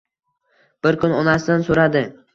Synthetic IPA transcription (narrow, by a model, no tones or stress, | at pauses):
b̥ɪɾkʰʊnɒnasd̪ansoɾad̪ɪ